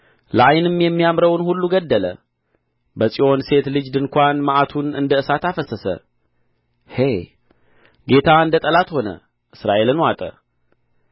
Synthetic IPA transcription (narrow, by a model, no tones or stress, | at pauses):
ləʔajnɨmːjɛmːijamɾəwnhulːuɡəd̪ːələ̰ | bəsʼiʔo̞nse̞t̪lɨd͡ʒd̪ɨŋkʷanməʔat̪ʰunɨ̰nd̪əɨsat̪afəsəsə̰ | he̞ | ɡe̞t̪ʰaɨnd̪ət̪ʼəlat̪ho̞nə̰ | ʔɨsɾaʔe̞lɨnwat̪ʼə̰